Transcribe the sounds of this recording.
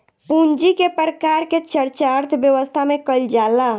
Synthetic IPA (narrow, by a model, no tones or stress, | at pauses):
pund͡ʒikepɾəkaɾket͡ʃəɾt͡ʃaɾt̪ʰbjəʋəst̪ʰamekəld͡ʒala